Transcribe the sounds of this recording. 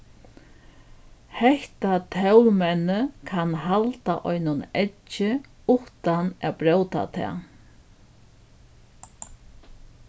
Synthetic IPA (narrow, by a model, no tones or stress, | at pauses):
hɛht̪at̪ʰɛwlmɛnːəkʰanɦalt̪aʔɔjnʊnɛt͡ʃːɪ | ʊht̪ana̰bɾœwt̪a̰t̪ʰɛ̰ː